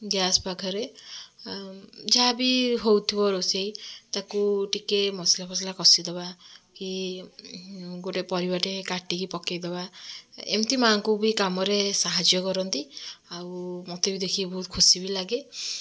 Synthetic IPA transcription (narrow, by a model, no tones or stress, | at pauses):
ɡjasbaɡʰʱɔɾe | d͡ʒabiɦowt̪ʰibɔɾosejt̪akuʈikemɔslapʰɔs̬ilakɔsid̪ebaki | ɡoʈepɔɾibɔʈekaʈikipɔkejd̪ebaḛmt̪imaːŋkubikamɔɾesaɦad͡ʒjɔkɔɾɔnt̪iawmɔt̪ebid̪ekʰibɔɦut̪̚kʰusibilaɡe